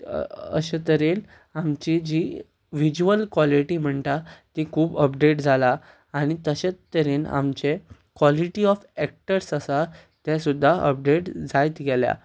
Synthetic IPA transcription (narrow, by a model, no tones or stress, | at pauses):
ə̰ɕat̪əɾen | amt͡ɕid͡ʑi | ʋid͡ʑuəlkʋɔliʈim̤əɳt̪at̪ikʰuːbəpɖeʈd͡zʱala | aɽ̃it̪əɕat̪ːəɾena̰mt͡ɕe | kʋɔliʈiɔfɛk̚ʈəɾsəsa | t̪jasud̪ʱːaə̰p̚ɖeʈd͡zajt̪ɡɛlja̰